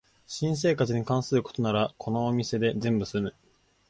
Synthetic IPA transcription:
ɕĩs̬e̞ːkat͡sɨɲ̟ikãɰ̃sɨɾɯ̟ko̞̥t̪o̞naɾakʰo̞no̞ːmʲise̞d̪e̞zẽ̞mbɯ̟sɨmɯ̟

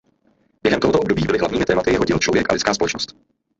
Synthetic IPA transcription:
b̥jɛɦɛmt̪oɦt̪oobdobiːbɪlɪɦlavɲiːmɪt̪ɛːmat̪ɪjɛɦoɟɪlt͡ʃlovjɛkʔa̰lɪt͡skaːspolɛt͡ʃnost̪

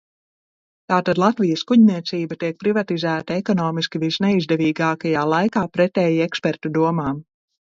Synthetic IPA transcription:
t̪aːt̪ad̪lˠat̪vijɐskuɟnʲiɛt̪siːbɐt̪iɛk̚pɾivat̪izæːt̪aekɔnɔːmiskʲivisnɛizd̪ɛviːɡaːkajaːlˠajkaːpɾɛt̪ɛːjiekspɛɾt̪ud̪uɔmaːm

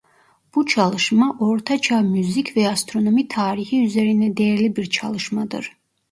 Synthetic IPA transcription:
b̥ut͡ʃʰɑlˠɯʃmaʔoɾt̪ʰat͡ʃʰɑmyzikʲʰvɛast̪ɾo̞no̞mit̪ʰaːɾihiyzeɾind̪ɛd̪ɛjɛɾlibiɾt͡ʃʰɑ̰lˠɯʃmad̪ɯ̰ɾ

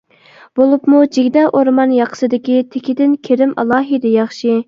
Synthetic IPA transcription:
b̥olˠupmud͡ʒiɡʲd̪ɑʔoɾmɑnjɑqʰə̥sɨd̪ɪkʲit̪ʰekʲid̪ɪnkʲʰeɾɪmɑ̰lˠɑːɦɨd̪ɛjɑχʃi

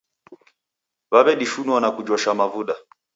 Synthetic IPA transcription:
βaβɛɗiʃunwanakud͡ʒɔʃamavuɗa

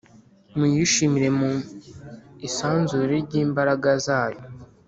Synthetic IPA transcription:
mujiʃimiɾe̞mu | isaːnzuɾiɾɟiːmbaɾaɡazaːjo

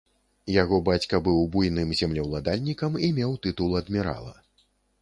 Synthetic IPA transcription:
jaɣɔbat͡sʲkɐbɨwbujnɨmzʲamlʲɛwlˠad̪alʲnʲikɐmimʲɛwt̪ɨt̪ulˠɐd̪mʲiɾa̰lˠɐ̰

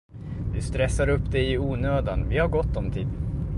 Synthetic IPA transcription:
d̪ɵst̪ɾɛsːaɾɵpːd̪ɛɪuːnøːd̪anvɪhaɾɡɔt̪ːɔmt̪ʰḭːd̪

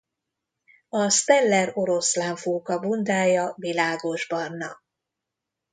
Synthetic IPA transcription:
ɒst̪ɛlːɛro̞ɾo̞slaːɱfuːkɒbund̪aːjɒvilaːɡo̞ʒbɒrnɒ̰

